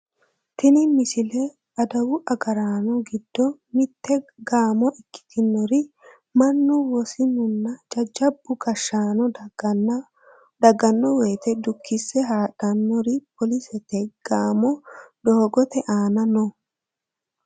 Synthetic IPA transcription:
t̪ɪnɪmɪsɪlɛ | ɐd̪ɐwʊʔɐɡɐɾaːnɔɡɪd̪ːɔmɪt̪ʰːɛɡaːmɔʔɪkːɪ̥t̪ʰɪnːɔɾɪ | mɐnːʊwɔsɪnʊnːɐd͡ʒɐd͡ʒːɐbːʊɡɐʃːaːnɔ | d̪ɐɡɐnːɔweːt̪ɛd̪ʊkːɪsːɛɦaːᶑɐnːɔɾɪpɔlɪsɛt̪ɛɡ̥aːmɔd̪oːɡɔt̪ɛʔaːnɐnɔ

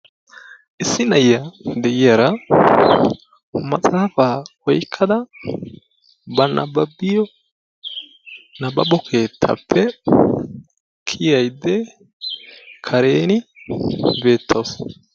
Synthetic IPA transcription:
ʔɪsːɪnɐjɐd̪ɛɪjaɾɐ | mɐsʼaːfaːwɔjkʰːɐd̪ɐ | bɐnʔɐbɐbɪjɔ | nɐbɐbɔkʰe̞ːt̪ʰːɐ̰pʰːɛ | kʰɪjɐjd̪ːɛ | kʰɐɾe̞ːnɪ | be̞ːt̪ʰːɐws

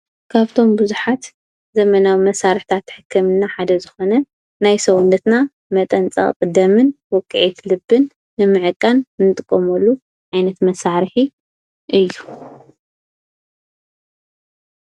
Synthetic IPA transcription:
kʰaβt̪ʰo̞mbɨzuħat̪ | zɐmɐnawimɐsaɾɨħt̪ʰat̪ːħɨkʰːɨmɨnːaħad̪ɐzɨxo̞nɐ | najsɐwunːɐt̪na | mɐt̪ʼɐnt͡sʼɐ̰χʼkʼɨd̪ɐmɨnwɔkʼːɨʕit̪lɨbːɨnː | ɨmɨʕɨkʼːannɨt̪ʼɨkʼːomɐlːu | ʕajnɐt̪mɐsaɾɨħi | ʔɨjːu

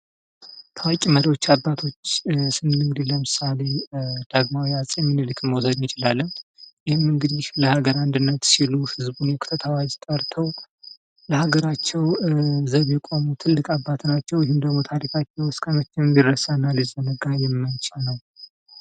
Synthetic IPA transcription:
k̪ʰawakʲʼiməɾiwo̞t͡ʃːabːat̪ʰo̞t͡ʃːsɨnːɨnɨŋɡɨd̪ihləmɨsale̞d̪̥aɡmawiasʼjɛmːɨnɨlɨkʼməwsəd̪mɨt͡ʃʼɪlalːɨmjɪhɪmːɨŋɡɨd̪ihləhaɡəɾand̪ɨnːət̪siluhɨzbunjɛkʰu̥t̪ʰət̪ʰawad͡ʒt̪ʼəɾt̪ʰəw | ləhaɡəɾat͡ʃːɛwzəβjɛkʼo̞mut̪ʰɨlːɨkʼabːat̪ʰnat͡ʃːɛwjɪhɨmd̪əɡmo̞t̪ʰaɾikʰat͡ʃːɛwɨskʰəmət͡ʃːɪmɨnirəsanːalizənəɡajɛmːənt͡ʃɛnəw

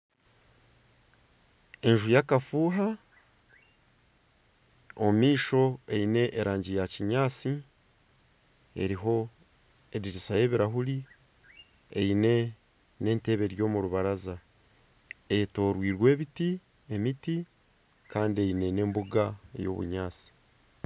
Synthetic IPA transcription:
e̞nʒujakafuːɦa | o̰miːʃo̞e̞ine̞ʔːɾʔaːɲɟijaciɲaːt͡si | e̞̰ɾiɦo̞ | eɾiɾisaje̞ːβiɾaɦuɾi | ḛine̞ | ne̞ːnte̞βe̞ɾjo̞ːmuɾuβaɾaza | eto̞ːɾwiːɾwe̞ːβiti | e̞miti | kaːndie̞ine̞ne̞ːmbuɡaḛjo̞̰βṵɲaːt͡si̥

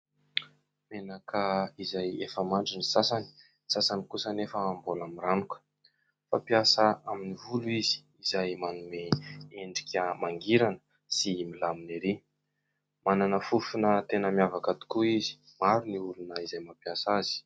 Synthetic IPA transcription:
menakʰəizajefəmaɳɖ͡ʐinisasani̥ | sasanikusənefəːmbolamiɾanukə̥ | fapiasaaminivuluizi̥ | izajmanumeeɳɖ͡ʐi̥kʲəmaŋɡiɾanə̥ | similamineɾi | mananəfufunət̪enəmijavakat̪u̥kuizi̥ | maɾuniulunəizajmapjasaz̥i̥

